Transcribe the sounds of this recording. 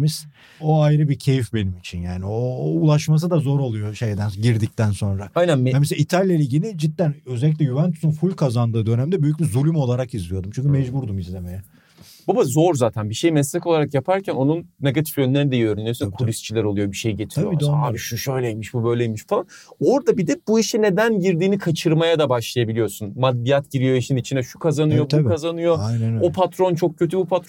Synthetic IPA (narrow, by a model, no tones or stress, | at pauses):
miz̥ | o̞ajɾɯbicʰe̞jifbe̞nimit͡ʃʰinjaːnioulˠaʃmas̬ɯd̪azo̞ɾo̞lˠujo̞ʃe̞jd̪ænɟiɾd̪ic̚t̪ænso̞nɾaajnænameseit̪ʰalʲjalʲiɟilʲid͡ʒit̪̚ːænøzɛlʲiclʲɛjuvænt̪ʰu̥sunfulʲkʰazand̪ɯːd̪ø̞næmd̪ɛbyjyc̚bizulʲymo̞lˠaɾakizlʲijo̞d̪umt͡ʃʰyɲcʰymɛd͡ʒbuɾd̪umizlʲe̞me̞jɛ | b̥abazo̞ɾzaːt̪ʰænbiʃe̞jmɛslʲako̞lˠaɾakjapʰaɾcʰæno̞nunːe̞ɡat̪ʰi̥fjø̞nlʲeɾnid̪ejøɾynijosunkʰulʲist͡ʃʰilʲæɾolˠujo̞biʃe̞jɟet̪ʰiɾoaːbiʃuʃø̞jlʲejimiʃbubø̞jlʲejimiʃfalˠano̞ɾd̪abid̪ɛb̥uiʃine̞d̪ænɟiɾd̪iːnikʰat͡ʃʰɯɾmajad̪abaʃlˠajabilʲijo̞sunmad̪ːijat̪ɟiɾijo̞iʃnnit͡ʃʰind̪ɛʃu̥kʰazanɯjo̞b̪ʰukʰazanɯjo̞ajnænopʰat̪ɾo̞nt͡ʃʰo̞k̚cʰø̞t̪ʰybupʰat̪ɾo